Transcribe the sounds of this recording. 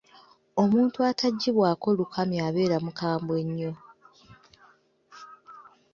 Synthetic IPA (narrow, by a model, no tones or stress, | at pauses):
o̞muːntuataɟːiβwaːko̞lukʰamiaβe̞ːɾamukaːmbwe̞ɲːo̞